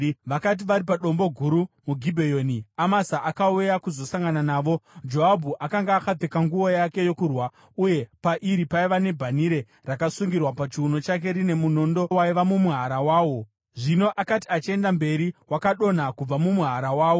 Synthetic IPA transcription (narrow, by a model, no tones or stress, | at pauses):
ʋakat̬iʋaɾipaɗo̞mbo̞ɡʱuɾumuɡʱibʱejo̞niamasaʔakaujakuzo̞saŋɡananaːʋo̞d͡ʒo̞ɦabʱuʔakaŋɡaːkab͡vekaŋɡuʋo̞jake̞jo̞kurwa | uje̞paʔiɾipaiʋane̞bʱaniɾe̞ | rakasuŋɡirwapat͡ʃiuno̞t͡ʃak̬e̞ɾine̞muno̞ndo̞waiʋamumuɦaɾawaːwo̞ | ʐino̞ʔakati̥at͡ʃie̞ndambe̞ɾiwakaɗo̞nakub͡vamumuɦaɾawaːwo